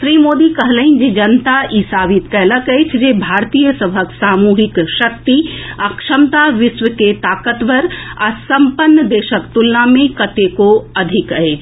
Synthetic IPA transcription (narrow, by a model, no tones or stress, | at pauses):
sɾiːmoːd̪ikəɦləĩnd͡ʒed͡ʒɐnt̪aʔisaːʋit̪kɛɦləkəet͡ʃʰd͡ʒebʱaːɾt̪ijəsəbʱəksaːmuːɦɪkʃɐk̚t̪iɐkʃəmt̪aʋɪsʋəket̪aːkət̪ʋəɾasɐmpənːəd̪eːʃəkt̪ulnamẽkɐt̪ekoɐd̪ʱɪkəet͡ʃʰ